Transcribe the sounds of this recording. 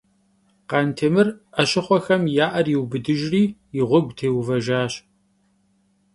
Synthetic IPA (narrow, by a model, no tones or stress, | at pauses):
qɑːntʰeːmɨrɐɕɪχʷɔxɐmjaːʔɐriwbɨdɨʒriːjɪʁʷɔɡʷtʰeːwvɐʒaːɕ